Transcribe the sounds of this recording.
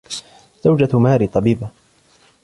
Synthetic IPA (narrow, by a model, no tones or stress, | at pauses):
z̥awd͡ʒamaːɾit̪ˤɑbiːba